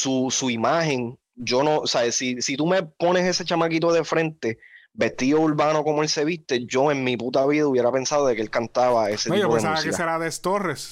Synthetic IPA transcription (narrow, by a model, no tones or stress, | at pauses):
susuimaɦe̞ŋ | d͡ʒo̞no̞saesisit̪ume̞po̞nese̞se̞t͡ʃamakit̪o̞ðe̞fɾe̞nt̪e̞ | be̞st̪iðo̞uɾβano̞ko̞moelse̞βist̪e̞d͡ʒo̞e̞ŋmiput̪aβiðauβje̞ɾape̞nsaðo̞ðekeelkant̪aβae̞set̪iooemsauasakiekaeɾaðest̪ores